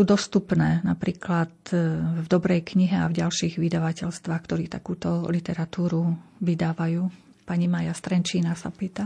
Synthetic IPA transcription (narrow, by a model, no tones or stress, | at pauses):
uːd̪ɔst̪upnɛːnapɾiːklat̪vd̪ɔbɾɛjkɲiɦɛavɟalʃiːɣʋid̪aʋacɛʎst̪ʋaːxkt̪ɔɾiːt̪akuːt̪ɔlit̪ɛɾat̪uːɾuʋid̪aːʋajuː | paɲimaːjast̪ɾɛnt͡ʃiːnasapiːt̪a